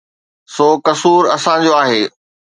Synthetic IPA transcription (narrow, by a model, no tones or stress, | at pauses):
soːkɐsuːɾɐsãd͡ʑoaːɦeː